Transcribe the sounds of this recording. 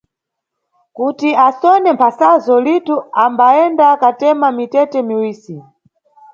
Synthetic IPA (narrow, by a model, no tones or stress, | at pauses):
kutiasɔnɛmpʰasazɔlituambaɛndakatɛmamitɛtɛmiwiːsi